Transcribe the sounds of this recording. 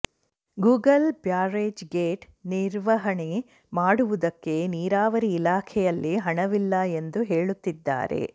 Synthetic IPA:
ɡuːɡɐlbjaːɾeːd͡ʒɡeːʈ | niɾʋɐɦɐɳe | maːɽuʋud̪ɐkːe̞niːɾaːʋɐɾiːlaːkʰɛjɐlːiɦɐɳɐʋilːɐend̪uɦe̞ːɭut̪ːid̪ːa̰ːɾe̞̰

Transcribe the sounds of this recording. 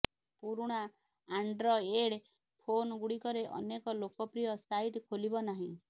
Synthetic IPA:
puɾuɽ̃aː | ɳɖɾɔeɽ | pʰonɡuɽikɔɾeʔɔ̰nekɔlokɔpɾijɔsaiʈkʰolibɔnaɦĩ

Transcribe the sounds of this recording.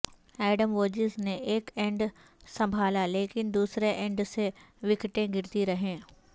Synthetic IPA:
ɛːɖəmʋoːd͡ʒɪzneʔeːkɛ̃ɳɖ | sɐ̃mbʱaːlaleːkɪnd̪uːsɾeʔɛ̃ɳɖseʋɪkʈẽɡɪɾt̪iɾɐɦẽː

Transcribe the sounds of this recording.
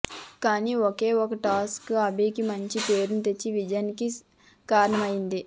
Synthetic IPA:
kaːniːɔke̞ːɔkɐʈaːskɐbiːkimɐɲt͡ʃipeːɾunut̪et͡ʃːiʋid͡ʒɐjɐnki | kaːɾɐɳɐmɐjind̪i

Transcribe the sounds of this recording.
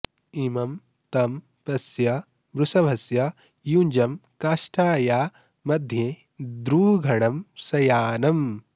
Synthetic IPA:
imɐm | t̪ɐm | pɐsjɐ | bɾusɐbʱɐsjɐ | jund͡ʒɐmkaːʃʈʰaːjaː | mɐd̪ʱjẽ | d̪ɾuːɡʱɐɳɐmsɐjaːnɐm

